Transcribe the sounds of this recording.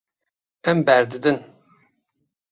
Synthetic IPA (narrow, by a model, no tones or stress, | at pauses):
ɛmbæɾd̪ɨd̪ɨn